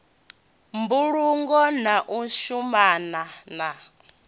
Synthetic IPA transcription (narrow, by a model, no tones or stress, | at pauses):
mbuɺuŋɡɔnaʔuʃumanana